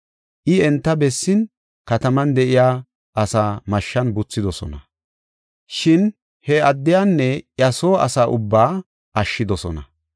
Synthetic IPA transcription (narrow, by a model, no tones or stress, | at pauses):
ʔɪɛnt̪ːɐbɛsːɪn | kɐt̪ɐmɐnd̪ɛʔɪjaː | ʔɐsaːmɐʃːɐnbʊt͡sːɪd̪ɔsɔ̰nɐ̰ | ʃɪn | hɛɐd̪ːɪjanːɛʔjɐsoːɐ̰saːʔʊbːaː | ʔɐʃːɪd̪ɔsɔ̰nɐ̰